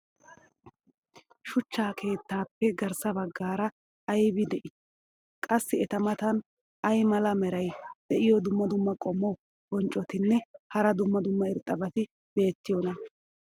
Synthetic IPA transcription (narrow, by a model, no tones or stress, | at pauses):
ʃʊt͡ʃːaːkʰe̞ːt̪ːaːpːɛɡɐɾsɐbɐɡːaːɾɐː | jbɪd̪ɛʔɪ | kʼɐsːɪɛt̪ɐmɐt̪ɐn | ɐjmɐlɐmɛɾɐjd̪̥ɛʔɪjɔd̪ʊmːɐd̪ʊmːɐkʼɔmːɔ | bɔnt͡ʃʼɔt̪ɪnːɛhɐɾɐd̪ʊmːɐd̪ʊmːɐɪɾt̪ʼːɐbɐt̪ɪ | be̞ːt̪ːɪjɔnɐ